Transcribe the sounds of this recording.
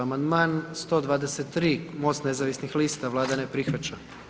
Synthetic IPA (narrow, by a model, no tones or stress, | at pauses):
amand̪maːnst̪o̞d̪ʋaːd̪eset̪ːɾiːmo̞st̪ne̞zaʋisnixliːst̪aʋlˠaːd̪anepɾixʋat͡ɕa